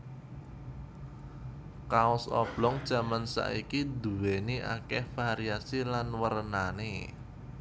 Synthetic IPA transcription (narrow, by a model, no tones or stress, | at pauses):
kaʊsɔ̰b̥lɔŋd̥ʒ̥a̤mansa̰ʔikid̪ṳweniʔa̰kɛhfaɾiasilanwəɾənane